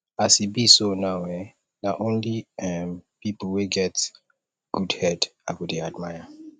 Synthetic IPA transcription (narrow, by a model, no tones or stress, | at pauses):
asibisonawɛ | naʔõnliɛmpipl̩weɡɛt | ɡ̥udhɛdawudiadmajə